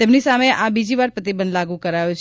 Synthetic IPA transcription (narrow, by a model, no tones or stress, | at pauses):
t̪emnisameʔabid͡ʒiʋaɾpət̪̬ibənd̪laɡũkəɾajũt͡ʃʰ